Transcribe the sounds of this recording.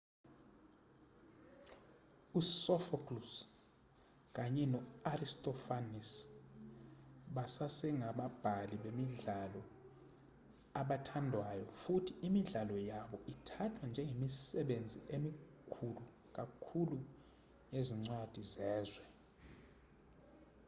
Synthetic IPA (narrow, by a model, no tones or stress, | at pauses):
usɔfakʰʼlus | k̬aɲɛnɔaristʼɔfanis | ɓasasɛŋaɓab̥ʱaliɓemiɮalɔ | aɓatʰandʱwajɔfutʰiimiɮalɔjaɓɔʔitʰatʰwand͡ʒʱɛŋemisɛɓend͡zʱiʔemi | kʰulu | k̬ʼakʰulu | neziŋ͡ǀwad̥ʱizɛːzwɛ